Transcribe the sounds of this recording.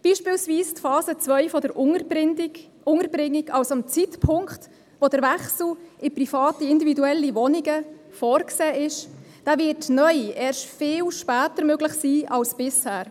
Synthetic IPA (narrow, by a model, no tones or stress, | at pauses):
b̥iːʃpɪːlsviːstfɑːzət͡svœʏfɔdəɾ | ʊŋəɾbɾɪŋːiɡ̥ɑlsɑmt͡sitpʰʊŋkχt | ʋod̥əɾʋɛχsl̩ɪprifɑːtiɪndividuɛlːiʋɔniɡə | fɔːɾkseːʔɪʃ | d̥aːvɪɾtnœʏʔɛːɾʃtfɪːlʃpæːtəɾmøɡlɪχsiːɑlsb̥ɪshæːɾ